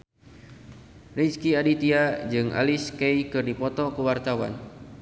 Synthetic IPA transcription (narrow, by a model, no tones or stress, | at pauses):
riskiadit̪iad͡ʒɨŋa̰liskejkɨrdipɔt̪ɔkəwart̪awa̰n